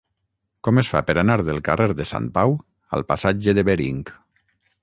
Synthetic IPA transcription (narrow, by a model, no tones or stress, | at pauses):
kɔmesfa̰peɾanaɾðəlˠkareɾðəsa̰mpaw | a̰lˠpasad͡ʒəðeβeɾḭŋk